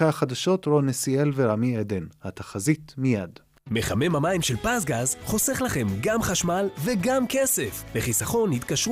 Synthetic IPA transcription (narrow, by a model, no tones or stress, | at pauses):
aaχad̪aʃo̞t̪ɾonesielveɾamied̪enhat̪aχazit̪mijad | me̞χame̞mhamaimʃelpasɡazχo̞seχlaχe̞mɡamχaʃmalveɡamkesefleχisaχo̞nhit̪kaʃ